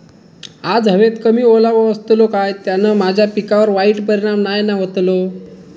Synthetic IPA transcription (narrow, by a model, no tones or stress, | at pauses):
ad͡zɦəʋet̪kəmiːolaʋəəst̪lokajt̪janəmad͡ʑʱjapikaʋəɾʋaiːʈpəɾiɽ̃amnajnaʋət̪lo